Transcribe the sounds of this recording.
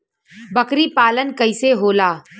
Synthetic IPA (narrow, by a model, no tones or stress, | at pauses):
bɐkɾipaːlənkɐɪseɦoːlaː